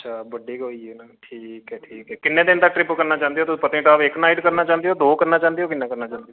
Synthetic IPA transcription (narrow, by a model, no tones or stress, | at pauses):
əʃʰaːbəɖeːkɦoiːɛːnaːʈʰiːɦɛːʈʰiːkɦɛːkɪnːẽːd̪ɪnt̪akʈɾɪpːəkəɾnaːt͡ʃãːnd̪eɦoːt̪ʊspət̪ẽːʈaːʋɪknaːiʈkəɾnaːt͡ʃãːnd̪eɦoːd̪oːkəɾnaːt͡ʃãːnd̪eɦoːkɪnːẽːkəɾnaːt͡ʃãːnd̪i